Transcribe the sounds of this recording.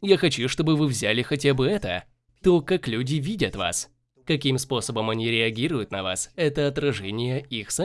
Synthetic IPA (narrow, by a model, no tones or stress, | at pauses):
jaxɐt͡ɕuʂt̪o̞bɨvɨvzʲalʲɪxɐtʲabɨɛt̪ə̰ | t̪okaklʲʉdʲɪvʲidʲət̪va̰s | kɐkʲimspo̞səbəmɐnʲiɾʲɪɐɡʲiɾʊjʊt̪nɐva̰sɛt̪əɐt̪ɾɐʐɛnʲɪjəixsɐ